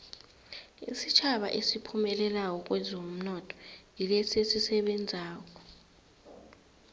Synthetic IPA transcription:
ḭsit͡ʃʰaɓa̰ʔesipʰumɛlɛlawɔk̬ʼwɛzom̩nɔtʼʰɔ̥jilɛsesisɛɓɛnd͡zʱaːk̬ʼɔ̥

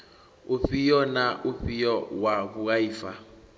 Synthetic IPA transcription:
oɸijɔnaʔoɸijɔwaβuɣaifa

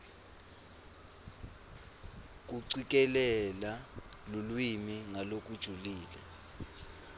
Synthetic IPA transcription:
k̬uǀik̬ʼɛlɛlalulwimiŋalok̬ʼud̥ʒ̥ʱuliːlɛ̰

